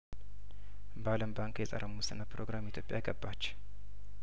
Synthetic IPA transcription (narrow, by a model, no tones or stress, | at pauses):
baləmbaŋkjɛsʼə̰ɾəmusɨnəpʰɾo̞ɡɾamit̪ʰjo̞pʼja̰jɡəbːat͡ʃː